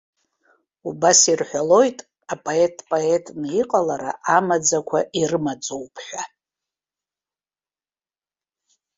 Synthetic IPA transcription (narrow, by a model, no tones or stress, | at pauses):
ubasirħʷᶣalo̞jtʼ | apʼoetʼpʼoe̞tʼniqʼalaɾa̰ʔamad͡zakʷʰaʔirɨmad͡zʼowpʰʼħʷᶣa